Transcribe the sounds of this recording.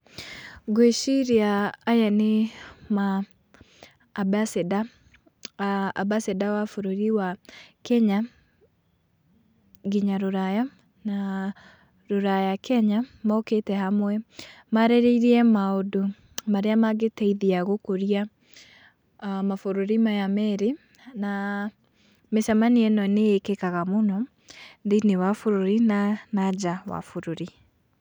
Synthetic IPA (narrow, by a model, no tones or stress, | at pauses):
ɡweʃiɾiaːjanema | basda | abasɛdawafoɾoɾiwakɛɲa | ɡiɲaɾoɾaja | na | ɾoɾajakʰɛɲamaoketɛhamwɛ | maɾeɾeiɾiɛmaodo | maɾeamaɡetɛiðiaɣokoɾia | mafoɾoɾimajamɛɾe | na | mesamaniɛnɔneekekaɣamonɔ | ndinewafoɾoɾinanad͡ʒawa̰foɾoɾi